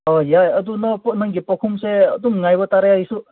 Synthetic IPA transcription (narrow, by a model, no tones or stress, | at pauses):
ɔjajɐd̪unɔpnaŋɡipɔkʰumseəd̪uŋŋajbɔtaɾajaisu